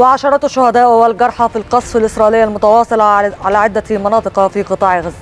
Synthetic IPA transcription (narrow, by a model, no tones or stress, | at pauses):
wɪʕaʃɑɾˤɑt̪ʃːʊhæd̪æːʔʊwælɡɑɾˤħɑfilqɑsˤfɪlʔɪsɾˤɑʔlɪjːalmʊt̪ɑwɑːsˤɨlɑʕalæːʕɪd̪ːæmɑnɑːt̪ˤɨqfiqɨt̪ˤɑːʕɣæz